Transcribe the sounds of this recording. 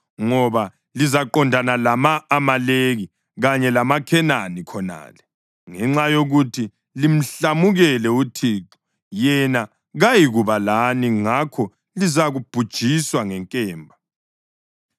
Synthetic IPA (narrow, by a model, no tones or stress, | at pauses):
ŋɔβa | lizaǃɔndʱanalamaːmaleɣi | ɣaɲɛlamakʰɛnanikʰɔna̰ːlɛ | ŋɛŋ͡ǁajoɣutʰi | lim̩ɬamuɣɛlɛutʰiːǁɔ̥ | jɛna | ɣajiɣuβalaniŋakʰɔ | lizaɣub̥ʱud̥ʒ̥ʱiswaŋɛŋkʼɛːmbʱa